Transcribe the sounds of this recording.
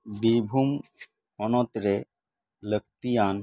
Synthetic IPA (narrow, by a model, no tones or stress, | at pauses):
biɾbʱum | ɔnot̪ɾe | lək̚t̪ijan